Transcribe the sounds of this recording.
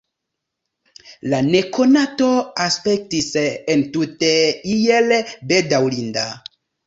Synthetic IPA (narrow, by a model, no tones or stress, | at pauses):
lane̞ko̞nato̞aspe̞k̚tisentuteijelbedawlinda